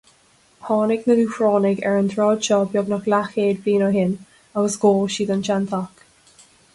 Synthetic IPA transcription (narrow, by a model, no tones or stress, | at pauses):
pʰɑːnɪɡnəluːfɹɔːnɪɡɛɹənt̪ʰɹɔːd̪̥ʃɔbjɔɡnaxlaxeːd̪biːnəɦɪn | awəsɡoːʃiːd̪ɔnʃant̪ʰak